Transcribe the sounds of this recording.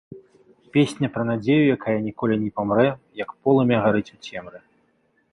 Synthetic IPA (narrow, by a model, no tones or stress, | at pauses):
pʲesʲnʲɐpɾɐnad͡zʲejujakajɐnʲikɔlʲinʲɛpamrɛjɐkpɔlˠɨmʲɛɣaɾɨt͡sʲut͡sʲɛmɾɨ